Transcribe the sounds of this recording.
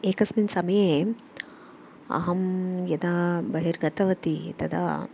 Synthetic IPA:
eːkɐsminsɐmjeː | ɐ̰ɦɐmjɐd̪abɐɦiɾɡɐt̪ɐʋɐt̪it̪ɐd̪a̰

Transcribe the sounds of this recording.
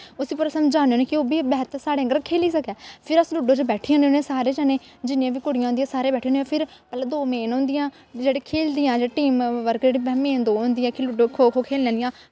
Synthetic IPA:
ʊsiːpʊɾsəmd͡ʒaːneoːnẽːkɪoːbiːbɛːt̪saːɽeːəŋɡəɾkʰeːliːsəkɛːpʰɪɾəsluːɖõːd͡ʒbɛːʈʰiãːneːnẽːsaːɾeːd͡ʒaːneː | d͡ʒɪnɪãːʋiːkʊɽɪjãːʊ̃nd̪jãːsaːɾeːbɛːʈʰiːõːnjãːpʰɪɾ | mət̪ləbd̪oːmeːnõːnd̪ijãː | d͡ʒeːɽiːkʰeːld̪ijãːd͡ʒeiʈiːmʋəɾkd͡ʒeːɽiːbɛmẽːnd̪oːɦõnd̪iːɛ̃ːkɪluːɖoːkʰoːkʰoːkʰeːlːɛ̃ːd̪ɪjãː

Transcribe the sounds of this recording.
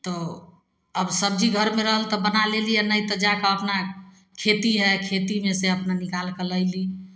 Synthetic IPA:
t̪ɔ | əbsəb̚d͡ʒʱiɡʱəɾmeɾəɦəlt̪ɔbənalelijanəjt̪əd͡ʒakaəpna | kʰet̪iɦɛkʰet̪imeseəpnanikalkeləɪli

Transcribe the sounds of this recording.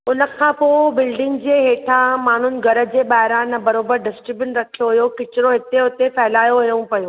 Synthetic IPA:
ʊnə̆kʰãːpoːbɪlɖɪ̃ŋɡd͡ʑeːɦeːʈʰãmaːn̤ʊnɪ̆ɡʱɐɾə̆d͡ʑeːɓaːɦɪɾãnɐbɐɾoːbəɾɖɪsʈɾɪbjənɾɐkʰijoɦʊjokɪt͡ɕɪɾoɦɪt̪eɦʊt̪epɛɦɪlaːjoɦʊjũpɐjoː

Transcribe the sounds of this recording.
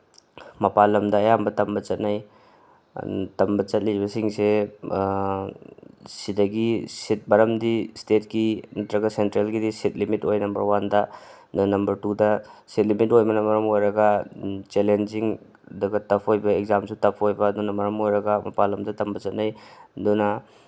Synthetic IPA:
mɐpalɐmdɐːjambɐtɐmbɐt͡ʃɐt̚naj | tɐmbɐt͡ʃɐt̚libɐsiŋse | sidɐɡisit̚bɐɾɐmdistet̚kinɐtɾɐɡɐsentɾelɡidisit̚limitojnɐmbɐ̰ɾwandɐ | dnɐmbɐɾtudɐsit̚limitojmɐnɐmɐɾɐmojɾɐɡat͡ʃelend͡ʒiŋ | dɐɡɐtɐpʰojbɐekzamsutɐpʰojbɐdunɐmɐɾɐmojɾɐɡamɐpalɐmdɐtɐmbɐt͡ʃɐt̚najdunɐ

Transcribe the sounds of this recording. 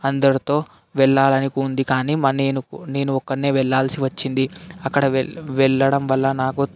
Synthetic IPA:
ɐnd̪ɐɾit̪o̞ː | ʋɛɭːaːlɐnikiund̪ikaːniːmɐneːnune̞ːnuɔkːɐɳnːeːʋɛɭːaːlsiʋɐt͡ʃːind̪iɐkːɐɽɐʋɛɭːɐɽɐmʋɐlːɐnaːku

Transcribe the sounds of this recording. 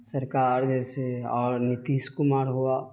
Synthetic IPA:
sɐɾkaːɾd͡ʒɛːseɔːɾnɪt̪iːʃkʊmaːɾɦuaː

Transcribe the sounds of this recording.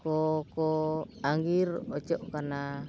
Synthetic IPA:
kokoaŋɡirɔt͡ʃɔʔkana

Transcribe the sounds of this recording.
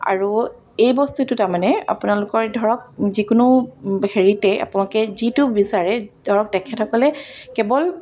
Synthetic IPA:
a̰ɹu | ejbɔstutʊtaɹmanɛa̰pʊnalʊkɔɹdʱɔɹɔk̚zikʊnʊbɦeɹitɛʔa̰pʊnaɔkɛzitubisaɹɛd̥ʱɔɹɔk̚tɛkʰɛthɔkɔlɛkɛbɔl

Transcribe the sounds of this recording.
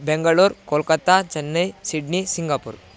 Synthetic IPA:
beŋɡaɭuɾkolkət̪at͡ʃənːəjsiɖnisiŋɡapṵɾ

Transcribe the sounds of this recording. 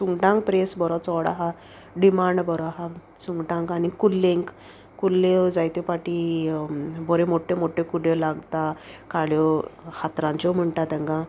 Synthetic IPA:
suŋɡʈãŋk̚pɾesbɔɾɔt͡sɔɽa̰ɦa | ɖimaɳɖbɔɾɔɦa | suŋɡʈãŋkanikulːẽŋk | kulːed͡zajt̪epaʈi | bɔɾẽmoʈʰẽmoʈʰẽkuɽelaɡt̪akaɭjɔhat̪ɾãɲt͡ɕɔm̤əɳʈat̪ɛ̃ŋɡã

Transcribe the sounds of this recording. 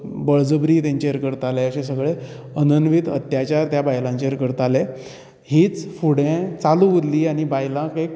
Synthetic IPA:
bəɭd͡zəbɾiːt̪ãɲt͡ɕeəɾkəɾt̪aleəɕẽsəɡɭe | ənənʋit̪ət̪jat͡ɕaɾt̪jabajlãɲt͡ɕeəɾkəɾt̪ale | hiːt͡sfuɽẽt͡saluʋəd̪liːañibajlãkek

